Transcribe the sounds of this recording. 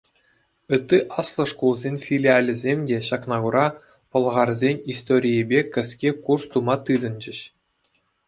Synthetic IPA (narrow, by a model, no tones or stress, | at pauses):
ɯt̪ːɯʔɑslˠɤ̆ʂkulˠzʲenʲfʲilʲialʲɘ̆zʲemʲdʲeɕɑknɑɡuɾɑ | pɤ̆lˠʁɑrzʲenʲist̪oɾʲijebʲekʲɘ̆sʲkʲekurst̪umɑt̪ɯd̪ɤ̆nd͡ʑɘ̆ɕ